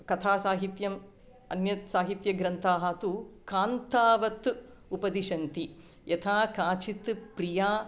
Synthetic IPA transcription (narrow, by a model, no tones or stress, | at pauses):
kɐt̪ʰaːsaːɦit̪jɐm | ɐnjɐt̪saːɦit̪jɐɡɾɐnt̪ʰaːɦaːt̪ukaːnt̪aːʋɐt̪ | upɐd̪iʃɐnt̪i | jɐt̪ʰaːkaːt͡ʃit̪pɾijaː